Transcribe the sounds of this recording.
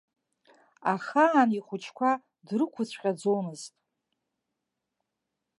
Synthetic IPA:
aχaːniχʷʊt͡ʃʰkʷʰa | drɨkʷʰʊt͡sʷʰqʲʼad͡zomɨztʼ

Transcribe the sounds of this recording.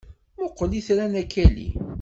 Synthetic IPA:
mʊqːəliθɾænækːælḭ

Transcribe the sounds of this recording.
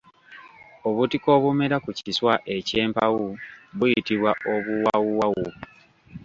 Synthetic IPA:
oβutiko̞βume̞ɾakuciswaʔe̞ce̞ːmpawuβujitiβwaʔo̞βuwawuwawu

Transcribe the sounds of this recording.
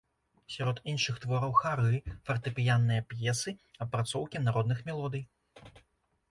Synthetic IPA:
sʲaɾɔt̪inʂɨxt̪vɔɾɐwxaɾɨfɐrt̪ɨpʲijanːɨjɐpjɛsɨɐpːɾat̪sɔwkʲinaɾɔd̪nɨxmʲɛlˠɔd̪ɨj

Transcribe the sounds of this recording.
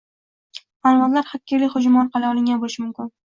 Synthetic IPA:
anvɒnlaɾhakʲːɪɾlɪχʊd͡ʒmɒnqʰɑlaɒlˠɪŋʲanbolɪʃmʊmkʲɪn

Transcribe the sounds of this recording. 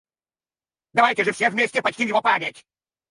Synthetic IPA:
d̪ɐvajtʲɪʐɨfsʲevʲmʲesʲtʲɪpɐt͡ʃtʲimjɪvopamʲɪtʲ

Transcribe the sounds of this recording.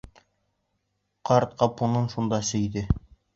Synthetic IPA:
qɑɾt̪̚qɑpunɤnʃund̪ɑsɘ̆jd̪ɘ

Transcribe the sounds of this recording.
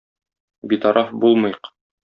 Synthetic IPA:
bit̪ɒɾʔɑfbulˠmɤ̆jq

